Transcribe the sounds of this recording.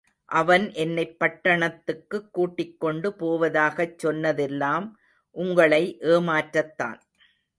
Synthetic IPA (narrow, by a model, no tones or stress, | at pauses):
ʔɐʋɐnʔɛnːɐɪpːɐʈːɐɳɐt̪ːɯkːɯkːuːʈːɪkːɔɳɖɯpoːʋɐðaːɣɐt͡ʃːɔnːɐðɛlːaːm | ʔʊŋɡɐɭɐɪʔeːmaːʈɾɐt̪ːa̰ːn